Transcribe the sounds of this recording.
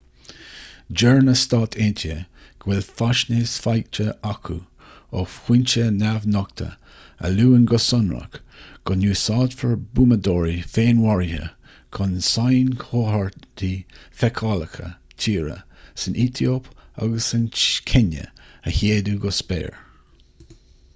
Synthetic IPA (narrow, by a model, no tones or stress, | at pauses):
d͡ʒɛɹnəst̪ɑːt̪ʰent̪ʰəɡ̥wɪlfaʃneːsfajk̚t͡ʃəakʰu | ɔfhwɪnt͡ʃənavnɔk̚t̪ʰə̰ | ə̰luːənɡɔsɔnɹə̰kɡ̥ɔnjuːsɑːd̪fəɹbuːmədɔːɹifeːnwaɹihə̰ | kʰɔnsajnkʰohaɹdifɛkʰɑləkʰə̰tʰiːɹə̰sənʔit̪ʰioːpa̰ɡəsːənkʰɪnə̰əheːduɡɔspɛ̰ːɹ